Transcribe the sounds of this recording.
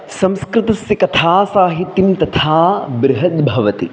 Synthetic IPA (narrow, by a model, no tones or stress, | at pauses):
sɐmskɾɪt̪ɐsjɐkɐt̪ʰaːsaːɦit̪jimt̪ɐt̪ʰaːbɾɪɦɐt̪bʱɐʋɐt̪i